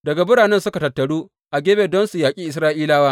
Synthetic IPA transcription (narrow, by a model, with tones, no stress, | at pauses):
dɐ˨ɡa˨bʊ˦ɽaː˨nɛ˦nsʊ˦ka˨tɐ˨tːɐ˨ɽuː˦ | ʔa˨ɡʲeː˦beː˨dɔ˦nsu˨jaː˨kʲʼiː˦ʔɪ˨sɾaː˦ʔiː˦laː˦waː˦